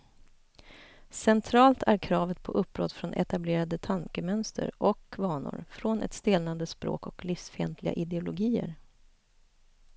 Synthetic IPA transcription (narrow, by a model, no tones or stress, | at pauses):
sɛnt̪ʰɾɑːlt̪ʰæɾkʰɾɑːvət̪̚pʰɔʔɵpːɾɔ̰t̪ːfɾɔnʔɛ̰t̪ableːɾad̪ət̪ʰaŋkəmœnst̪ʰə̰ɾʔɔkʰːvɑːɳʊ̰ɾfɾɔnɛ̰t̪st̪eːlnand̪əspɾo̰ːkɔklɪfsfɛnt̪ʰlɪɡa̰ʔɪd̪ɛʊlʊɡiːə̰ɾ